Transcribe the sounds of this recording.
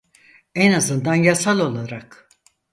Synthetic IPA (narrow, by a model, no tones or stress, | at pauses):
ɛnazɯnd̪anjasalˠo̞lˠaɾak